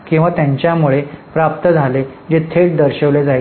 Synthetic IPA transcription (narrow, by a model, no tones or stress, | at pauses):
kĩw̃ʋat̪jaɲt͡ɕjamuɭepɾap̚t̪əd͡zʱaled͡ʑet̪ʰeʈ̚d̪əɾɕəʋled͡zaj